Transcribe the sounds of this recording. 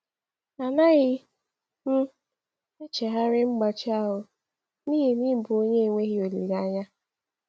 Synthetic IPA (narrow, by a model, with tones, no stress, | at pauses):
a˨na˦ɣɪ˦ | m̩˦ | e˦t͡ʃe˨ɦa˦ɾɪ˦ŋ͡m̩˦ɡ͡ba˨t͡ʃɪ˦a˦ɦʊ˨ | niː˦ɦi˦ni˦bʊ˨o˦ɲe˦˨ŋʷe˦ɦi˦o˨lḭ˨ɾa˦ɲa˦